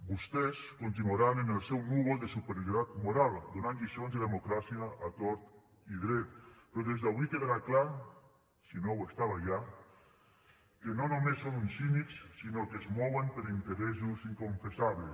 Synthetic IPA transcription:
bust̪eskont̪̬inuaɾanenelˠsɛwnuɣəlˠd̪esupeɾjoɾit̪at̪muɾalˠd̪onanʎisonzðeðemukɾasiaʔːt̪oɾt̪ | iðɾɛt̪̚pɾɔðezðaβikeðaɾakla | sinowest̪aβaʒa | kenonomesːonunsinikssinokeːzmɔwempeɾint̪eɾɛzuziŋkoɱfesaβle

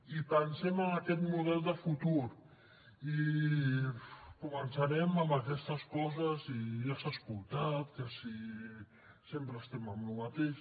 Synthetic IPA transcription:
ipənsɛməmakɛt̪muðɛlˠd̪əfut̪uɾ | i | kumənsaɾɛməmbəkɛst̪əskɔzəziʒasaskulˠt̪at̪kəsi | sempɾəːst̪ɛməmlumat̪eʃ

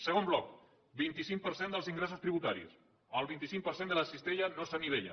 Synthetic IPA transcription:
səɣomblɔk | bint̪isiŋk̚pəɾsend̪əlˠziŋɡɾesust̪ɾiβut̪aɾḭs | əlˠβint̪isiŋk̚pəɾsend̪ələsist̪eʎənosəniβeʎə̰

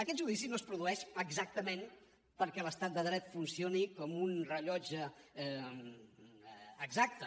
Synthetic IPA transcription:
əkɛt̪̚ʒuðisinoəspɾuðuɛʃəɡzak̚t̪əmen | pəɾkɛləst̪at̪̚d̪əðɾɛt̪funsionikɔmunrəʎɔd͡ʒə | ɡzak̚t̪ə

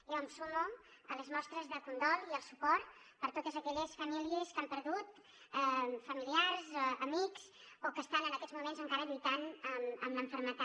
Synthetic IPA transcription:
ewəmsumuələzmɔst̪ɾəzðəlˠkund̪ɔlˠiəlˠsupɔɾt̪pəɾt̪ot̪əzəkɛʎəsfəmiliəskampəɾðut̪ | ɛfəmiliaɾzəmiksokəst̪anənəkɛd͡zzmumenzəŋkaɾəʎujt̪anəmə̰mləɱfəɾmət̪a

